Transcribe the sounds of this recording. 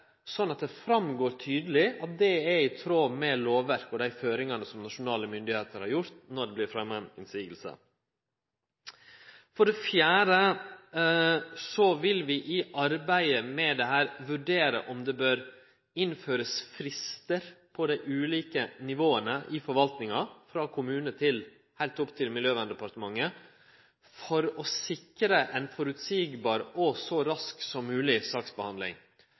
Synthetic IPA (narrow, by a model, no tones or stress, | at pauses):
sɔnːɑt̪̚d̪ɛfɾɑmɡoːɾt̪ʰyːd̪əl̩ɪɑt̪̚d̪ɛɛɾɪt̪ʰɾoːmɛloːʋæɾkɔd̪æɪføːɾɪŋɑnəsɔmnɑʂʊnɑːləmʏnd̪ɪheːt̪əɾhɑɾjʊɾt̪nɔɖɛblɪɾfɾɛmːɛnɪ̰nsiːɡəlsə̰ | fɔɖɛfjæːɾə | sɔʋɪlʋɪʔɪʔɑɾbæɪəmɛd̪ɛhæːɾʋʉɖeːɾə̰ʔɔmd̪ɛbøːɾ | ɪnføːɾəsfɾɪst̪əɾpʰɔd̪æɪʔʉːliːkənɪʋoːənəʔɪfɔɾʋɑlt̪nɪŋɑfɾɑːkʰʊmʉːnət̪ʰɪl | hæɪlt̪ʊpt̪ʰɪlmɪljøːʋɑnd̪ɛpɑɾt̪əmɑŋːə | fɔɾɔsɪkɾəʔɛnfɔɾʉt̪siːɡbɑːɾɔsɔɾɑsksɔmːʉːlɪsɑːksbəhɑnd̪lɪ̰ŋ